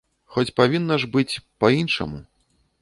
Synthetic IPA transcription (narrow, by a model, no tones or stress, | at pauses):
xɔt͡sʲpavʲinːɐʐbɨt͡sʲpɐinʂɐ̰mu